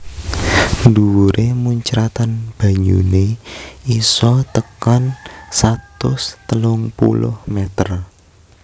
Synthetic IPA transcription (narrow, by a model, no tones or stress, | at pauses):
nduwuɾʔemuɲt͡ʃɾat̪anb̥ä̤ɲṵneisɔt̪əkansat̪ʊst̪əlʊŋpṵlʊ̰hmɛt̪ər